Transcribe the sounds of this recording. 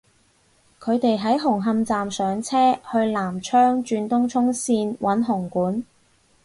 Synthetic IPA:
kʰɵ˨˧ɥt̪e˨jɦɐ˨˥jɦʊ˨˩ŋɦɐ˧mt͡saː˨msœː˨˥ŋt͡sʰɛː˥hɵ˧ɥlaː˨˩mt͡ʃʰœː˥ŋt͡ʃyː˧nt̪ʊ˥ŋt͡ʃʰʊ˥ŋsiː˧nwʔɐ˨˥nɦʊ˨˩ŋkuː˨˥n

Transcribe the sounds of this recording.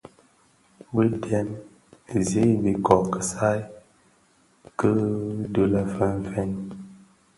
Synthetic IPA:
bə˦dɛ˨˦n˨ | zi˦bi˨kɔ˨kə˨sa˦j | kə˦du˦lə˦fə˦n˦fɛ˦n

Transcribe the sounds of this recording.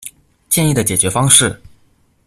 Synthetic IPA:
t͡ɕjɛ˥˧ni˥˩d̪ə˩t͡ɕjɛ˨˩t͡ɕɥɛ˧˥fɑ˥ŋʂɻ̩˥˩

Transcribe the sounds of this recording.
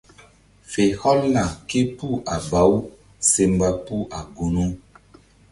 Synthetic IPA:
fe˨hɔ˦lna˨ke˦pu˦ʔa˨ba˨˦w | se˨mba˨pu˦ʔa˨ɡu˨nu˦

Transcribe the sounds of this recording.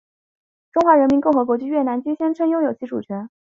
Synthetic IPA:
ʈ͡ʂʊ˥ŋxwa˧˥ɻə˧˥nmi˧˥nkʊ˥˩ŋxɤ˧˥kwɔ˧˥t͡ɕy˥ɥɛ˥˩na˧˥nt͡ɕy˥ŋɕjɛ˥nʈ͡ʂʰɤ˥ŋjʊ˥ŋjo˨˩ʊt͡ɕʰi˧˥ʈ͡ʂṵ˨˩t͡ɕʰɥɛ˧˥n

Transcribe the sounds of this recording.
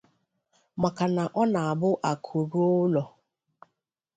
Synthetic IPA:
ma˨ka˨na˨ʔɔ˦na˨a˨bʊ˦ʔa˨kʰo˨ɾu˦o˦lɔ˨

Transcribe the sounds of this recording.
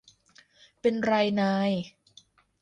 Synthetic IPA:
pe˧nɾaː˧jnaː˧j

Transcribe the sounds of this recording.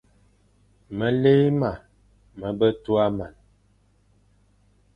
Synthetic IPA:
mə˨le˦ma˨ | mə˨bə˦tu˦a˦ma˨n

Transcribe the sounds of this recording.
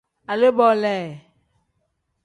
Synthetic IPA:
a˨le˦bɔ˨lɛ˨

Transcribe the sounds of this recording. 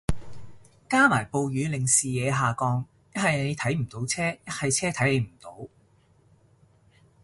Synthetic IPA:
kaː˥maː˨˩jpo˨˧wjyː˨˧lɪ˨ŋsiː˨jɛː˨˧ɦaː˨kɔː˧ŋ | jɐ˥t̚hɐ˨jne˨˧jt̪ʰɐ˨˥jm̩˨˩t̪o˨˥wt͡sʰɛː˥jɐ˥t̚hɐ˨jt͡sʰɛː˥t̪ʰɐ˨˥jle˨˧jm̩˨˩t̪o˨˥w

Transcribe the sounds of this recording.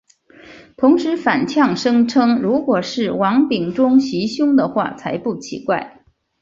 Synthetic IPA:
t̪ʰʊ˧˥ŋʂɻ̩˧˥fa˨˩nt͡ɕʰjɑ˥˩ŋʂɤ˥ŋʈ͡ʂʰɤ˥ŋɻu˧˥kwɔ˨˩ʂɻ̩˥˩wɑ˧˥ŋpi˨˩ŋʈ͡ʂʊ˥ŋɕi˧˥ɕjʊ˥ŋd̪ə˨xwa̰˥˩t͡sʰa˧˥ɪpu˥˩t͡ɕʰḭ˧˥kwa̰˥˩ɪ

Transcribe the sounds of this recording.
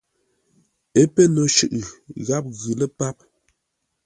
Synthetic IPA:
e˦pə˦nɔ˨ʃʉ̰˨ʔɣa˦p̚ɣʉ˨lə˦pa˦p̚

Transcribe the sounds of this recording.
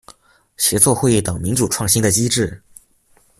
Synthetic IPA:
ɕjɛ˧˥t͡swɔ˥˧xwe˥˩ɪt̪ɤ˨˩ŋmi˧˥nʈ͡ʂu˨˩ʈ͡ʂʰwɑ˥˩ŋɕi˥ŋd̪ə˨˩t͡ɕi˥ʈ͡ʂɻ̩˥˩

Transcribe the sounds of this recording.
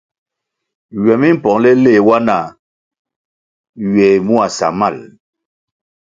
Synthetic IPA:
ɥɛ˨mi˦m̩˦pɔ˨ŋlɛ˦le˦˨wa˦na˨ | ɥɛ˨mu˦a˨sa̰˨ma˦˨l

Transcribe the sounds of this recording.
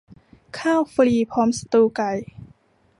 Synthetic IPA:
kʰaː˥˩wfliː˧˩pʰɔː˨˦msḁ˧t̪uː˧ka˧˩j

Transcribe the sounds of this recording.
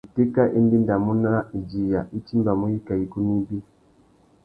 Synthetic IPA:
i˨ti˦ka˦ʔi˦ndi˦nda˨mu˦na˦i˨d͡ʒi˨ja˨ʔi˦t͡ʃi˦mba˨mu˦i˦ka˨i˦ku˦ni˦bi˦

